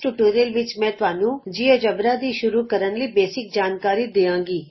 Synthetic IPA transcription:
ʈuːʈoːɾeːlʋɪt͡ʃmɛ̃ːt̪ʊaːnũːd͡ʒiːoːd͡ʒəbɾaːd̪iːʃʊɾuːkəɾənləiːbeːsɪk̚d͡ʒaːnkaːɾiːd̪eːãːŋɡiː

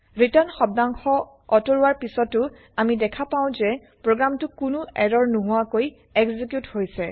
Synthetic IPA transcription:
ɹitanxɔb̚daŋxɔ | ɔtoɹuaɹpisɔtʊ | amidɛkʰapaʊ̃zɛ | pɹoɡɹamtʊkʊnʊɛɹɔɹnuɦʊakoj | ɛɡzikjuthojsɛ

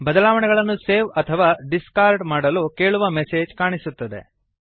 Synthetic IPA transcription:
bɐd̪ɐlaːʋɐɳɛɡɐɭɐnːuseːʋɐt̪ʰɐʋaːɖiskaːɾɖmaːɽɐloːke̞ːɭuʋɐmese̞ːd͡ʒkaːɳisut̪ːɐd̪e̞̰

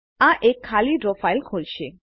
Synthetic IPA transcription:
aʔekʰːaliɖɾofajlkʰolt͡ɕʰe

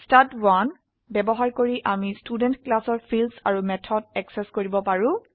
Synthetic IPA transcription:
statwan | bɛbɔɦaɹkoɹiʔamistudɛntklasɔɹpʰilsa̰ɹumɛtʰɔdɛksɛskoɹibɔpaɹũ

